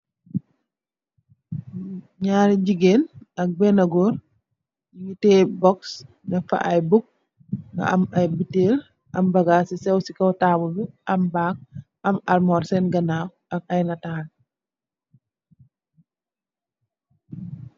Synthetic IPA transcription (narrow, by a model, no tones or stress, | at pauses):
ɲaːɾiɟiɡenɐk̚bɛnɐɡɔɾ | jiŋitɛbɔks | nɐfa̰ʔɐjbuk̚ | ɡɐ̰ʔɐmɐjbiteːl | ʔɐmbɐɡaːsisɛwsikɐwtabubiʔɐmbaːk̚ | ɐmɐlmɔɾsɛnɡɐnaw | ɐk̚ɐjnataːl